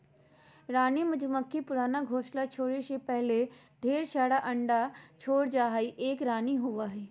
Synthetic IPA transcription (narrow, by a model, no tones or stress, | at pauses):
ɾaːnimɐd͡ʒməkːipʊɾaːnaɡʱoːʃlat͡ʃʰoːɽeʃepɛɦle | ɖʱeːɾʃaːɽaʔɐ̃ɳɖat͡ʃʰoːɽd͡ʒaːɦaːiʔeːkɾaːniɦʊʋaɦɛː